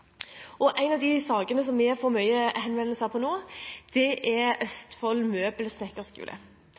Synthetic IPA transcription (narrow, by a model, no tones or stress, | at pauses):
ʔɔʔæɪnɑʋd̪ɪsɑːɡənəs̬ɔmːɛɛɾfɔɾmœʏəhɛnʋɛnəshæːpʰɔnoːd̪̥ɛʔɛɾœst̪fɔlːmøːbəlsnɛkːəskʉ̰ːlə̰